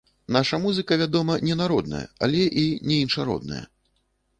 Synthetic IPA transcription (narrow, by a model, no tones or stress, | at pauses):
naʂɐmuzɨkɐvʲad̪ɔmɐnʲɛnaɾɔd̪nɐ̰jɐ̰a̰lʲɛʔinʲɛinʂaɾɔ̰d̪̚nɐ̰jɐ̰